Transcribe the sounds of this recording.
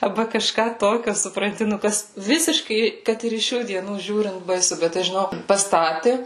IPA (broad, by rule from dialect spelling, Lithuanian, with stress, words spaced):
ɐrˈbɐ kɐˈʃkɑː toːˈkʲoː sʊprɐnʲˈtʲɪ nʊ ˈkɐs ˈʋʲɪsʲɪʃkɐɪ ˈkɐt ɪr ɪʃ ˈʃʲuː dʲiɛˈnuːˈʒʲuːrʲɪnt bɐɪˈsʊ ˈbʲɛt tɐɪ ʒʲɪˈnoːk pɐˈstɑːtʲɪ